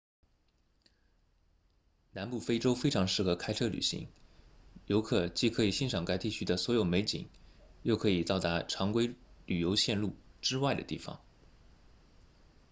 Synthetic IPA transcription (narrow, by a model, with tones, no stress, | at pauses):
na˧˥npu˥˧fe˥ɪʈ͡ʂo˥ʊfe˥ɪʈ͡ʂʰɑ˧˥ŋʂɻ̩˥˩xɤ˧˥kʰa˥ɪʈ͡ʂʰɤ˥˩ly̰˨˩ɕḭ˧˥ŋ | jo˧˥ʊkʰɤ˥˩t͡ɕi˥˩kʰɤ˧˥i˨˩ɕi˥nʂɑ˨˩ŋka˥ɪt̪i˥˩t͡ɕʰy˥d̪ə˨swɔ˧˥jo˨˩ʊme˧˥ɪt͡ɕḭ˨˩˦ŋjo˥˩ʊkʰɤ˧˥i˨˩t̪ɑ˥˩ʊt̪a˧˥ʈ͡ʂʰɑ˧˥ŋkwe˥ɪly˨˩jo˧˥ʊɕjɛ˥˧nlu˥˩ʈ͡ʂɻ̩˥wa˥˩ɪd̪ə̰˩t̪ḭ˥˩fɑ̰˨˩˦ŋ